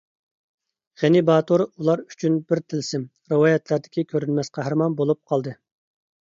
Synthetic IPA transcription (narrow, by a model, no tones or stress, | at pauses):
ʁenɪbɑːt̪ʰoɾulˠɑɾy̥t͡ʃʰynbɪɾt̪ʰɪlsɪm | ɾɨwɑːjɛt̪ʰlæɾd̪ɪ̥kʲikʲʰøɾynmɛsqɑɦæɾmɑnbolˠup̚qʰɑlˠd̪ɨ